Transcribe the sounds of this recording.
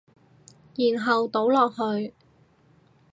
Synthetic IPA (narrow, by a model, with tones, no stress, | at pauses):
jiː˨˩nɦɐ˨wt̪o˨˥wlɔː˨k̚ɦɵ˧ɥ